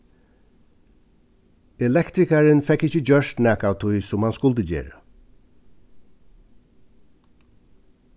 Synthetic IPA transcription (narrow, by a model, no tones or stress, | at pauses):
ɛlɛkt̪ɾɪkaɹɪnfɛkːɪçəd͡ʑœʃt̪næːkawt̪ʰujsʊmhanskʊlt̪əd͡ʑḛːɹə̰